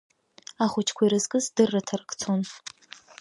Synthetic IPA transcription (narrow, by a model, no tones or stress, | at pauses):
aχʷʊt͡ʃʰkʷʰiɾɨzkʼɨzdɨrːɨtʰɐrɨkʰʼt͡sʰon